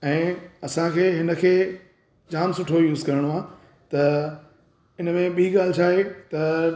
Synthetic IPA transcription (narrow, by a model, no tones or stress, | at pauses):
ɛ̃ːɐsãkʰeːɦɪnə̆kʰeː | d͡ʑaːnsʊʈʰojuːzkɐɾəɽ̃oaː | t̪ɐ | ɪnəmẽɓiiɠaːl̤ɪt͡ɕʰaːɦet̪ɐ